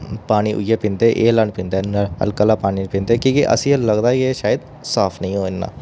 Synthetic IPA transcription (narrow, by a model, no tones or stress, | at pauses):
paːniːʔʊ̰iːeːpɪ̃nd̪eːʔeːlənpɪ̃nd̪eːə̰lkəlaːpaːninpɪ̃nd̪eːkĩːkiʔə̰sĩːləɡd̪aːeːʃaːjəd̪ | saːpʰnəɦĩɦoːɪnːa̰ː